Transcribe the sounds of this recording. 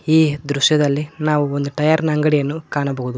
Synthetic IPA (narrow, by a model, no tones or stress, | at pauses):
iːd̪ɾuʂjɐd̪ɐlːinaːʋuond̪uʈɐjaːɾnɐːŋɡɐɽijɐnːukaːɳɐbɐɦud̪u